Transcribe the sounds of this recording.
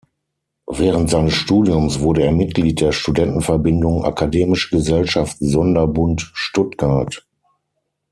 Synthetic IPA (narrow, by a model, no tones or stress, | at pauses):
vɛːʁəntz̥aɪnəsʃtuːdiʊmsv̥ʊɐɾəeːɐmɪt̚ɡ̥liːt̚d̥eːɐʃtudɛntn̩fɛɐbɪndʊŋʔa̰kʰadeːmɪʃəɡəzɛlʃaftzɔndɐbʊntʃtʊtɡ̥aɐt